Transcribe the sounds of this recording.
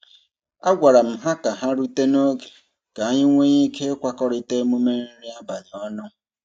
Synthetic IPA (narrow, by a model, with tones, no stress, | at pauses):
a˦ɡʷa˨ɾa˨m̩˨ɦa˦ka˨ɦa˦ɾu˦te˦no˦ɡe̥˨ | ka˨a˦ɲɪ˦ŋʷe˦ɲi˦kʰe˦kʷa˦kɔ˦ɾɪ˦te˦mu˦me˦n̩˦ɾi˦a˦ba˨n˨ɔ˦nʊ˦